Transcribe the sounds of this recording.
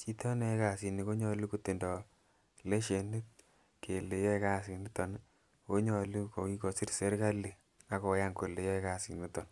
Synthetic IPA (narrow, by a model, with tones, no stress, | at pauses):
t͡ʃi˦t̪ɔ˦nɛ˨˦ka˨si˨ni˨ko˦ɲɔ˨lu˦ku˨t̪e˨ndɔ˨ | le˦ʃe˨nu˦t̪̚ | ke˨le˨jɔ˦ɛ˦ka˦si˨ni˦t̪ɔ˨n | ko˦ɲɔ˨lu˦ko˨ki˦ko˨si˦ɾse˦ɾka˦li˨ | a˦kɔ˨ja˦ŋko˨le˨jɔ˦ɛka˦˨si˨ni˦t̪ɔ˨n